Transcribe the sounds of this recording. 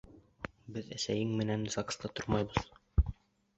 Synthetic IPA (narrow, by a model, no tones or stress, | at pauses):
bɘðæ̰sæjɘŋmɘ̆nænzɑkst̪ɑt̪oɾmɑjbɤ̆ð